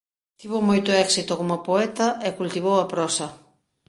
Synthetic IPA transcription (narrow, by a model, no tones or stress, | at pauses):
t̪iβomojt̪oɛksit̪okomapoɛt̪ɐekult̪iβ̞owɐpɾɔsɐ